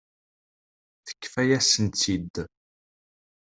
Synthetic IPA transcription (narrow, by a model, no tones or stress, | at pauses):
θə̥kːfæjæsənt͡sid̪